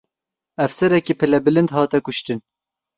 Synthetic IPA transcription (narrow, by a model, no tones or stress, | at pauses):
ɛfsɛɾɛkiːpʰɨlɛbɨlɨnd̪hɑːt̪ɛkʊʃt̪ɨn